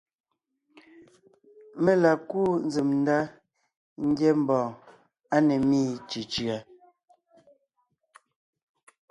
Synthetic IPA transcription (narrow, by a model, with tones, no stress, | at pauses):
me˦la˨kuː˦n˦d͡zi˨mn̩˦da˦ | ŋ̩˦ɡjɛ˦m̩˨bɔ̃ː˨ | a˦nɛ˨miː˦˨t͡ʃi˨t͡ʃi˨a˨